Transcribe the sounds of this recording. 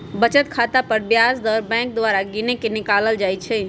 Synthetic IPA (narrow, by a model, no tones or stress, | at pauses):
bət͡ʃət̪kʰat̪apəɾbjasd̪əɾbɛ̃ŋk̚d̪waɾaɡinekenikaləld͡ʒajt͡ʃʰɛ